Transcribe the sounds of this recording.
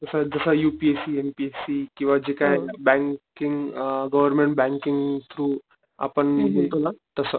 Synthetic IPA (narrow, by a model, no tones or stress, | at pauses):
t̪əsəd͡zəsəjuːpiesiempiesikĩw̃ʋad͡ʑekajbɛ̃ŋkɪŋɡɡəʋəɾmẽɳʈ̚bɛ̃ŋkɪŋɡt̪ʰɾuː | a̰pəɳmuɡʱot̪onat̪əsə